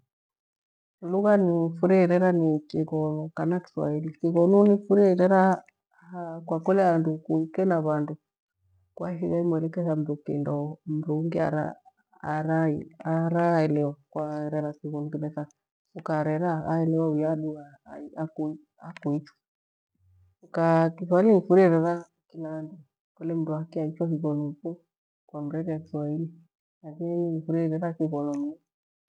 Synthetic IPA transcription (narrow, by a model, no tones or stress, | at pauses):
luɣanifuɾɛiɾɛɾanikiɣɔlɔkanaki̥swa̰ilisiɣɔnunifuɾiiɾɛɾa | akwakɔlɛandukuikɛnaβandu | kwahiaimwɛlɛkɛzam̩ɾukḭndɔm̩ɾuŋɡia̰ɾa̰ː | ɾaiaɾaɛlɛwakwaɾɛɾakiɣɔnukinɛsa | ukaɾɛɾaːɛlɛwaujaɗua | iaku | akuit͡ʃwɔ̥ | ukakiswaliŋifuɾiɾɛɾa | kilandu | kɔlɛm̩duakiait͡ʃɔhiɣɔlufu | kwam̩ɾɛɾɛakiswaili | lakiniifuɾiɾɛɾakiɣɔlɔm